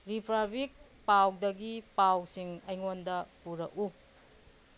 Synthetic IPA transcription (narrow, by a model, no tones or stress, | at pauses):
ɾipʰɾabik̚ | pawdɐɡipawsiŋɐjŋondɐpuɾɐ̰ku